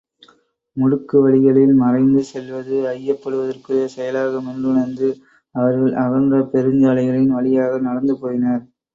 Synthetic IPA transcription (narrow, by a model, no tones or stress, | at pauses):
mʊɽɯkːɯʋɐɭɪɣɐɭɪlmɐrɐɪnd̪ɯsɛlʋɐðɯɐjːɐpːɐɽɯʋɐðɐrkɯlɐsɛjɐlaːɣɐmɛndrɯɳɐɾnd̪ɯ | ɐʋɐɾɣɐɭʔɐɣɐndɐpɛɾɯɲd͡ʒaːlɐɪɣɐɭɪɪnʋɐɭɪjaːɣɐnɐɽɐnd̪ɯpoːjɪnɐɾ